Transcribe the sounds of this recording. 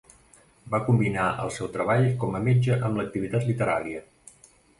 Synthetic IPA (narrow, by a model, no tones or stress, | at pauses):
bakumbinaʔə̰lˠsɛwt̪ɾəβ̞aʎkɔməmed͡ʒəʔəmlək̚t̪iβit̪at̪lit̪əɾa̰ɾiə